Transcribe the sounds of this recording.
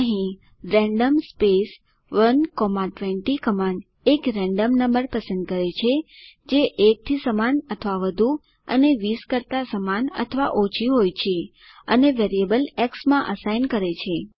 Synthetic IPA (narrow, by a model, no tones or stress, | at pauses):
əɦĩ | ɾɛ̃ɳɖəmspes | ʋənkomaʈʋeɳʈikəmaɳɖ | ekɾɛ̃ɳɖəmnəmbəɾpəsə̃nd̪̚kəɾet͡ʃʰed͡ʒeʔek̚t̪ʰisəmanət̪ʰəʋaʋəd̪ʱu | ə̰neʋiskəɾt̪asəmanə̰t̪ʰəʋa̰ʔot͡ʃʰiɦojt͡ʃʰe | əneʋeɾiebəlɛksmãʔəsajnkəɾet͡ʃʰe